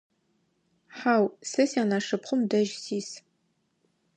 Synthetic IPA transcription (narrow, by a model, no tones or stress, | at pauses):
ħaːwsɨsaːnaʂɨpχʷʊmdɐʒsiːs